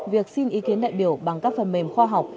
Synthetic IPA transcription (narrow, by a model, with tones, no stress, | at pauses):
vi˨˩ək̚si˧nʔi˨˦ki˨˦ənɗa̰ː˧˨jɓi˧˩əwɓa˨˩ŋkaː˦˥k̚fə˨˩nme˨˧˩mxwaː˧ɦa˨˩wk͡p̚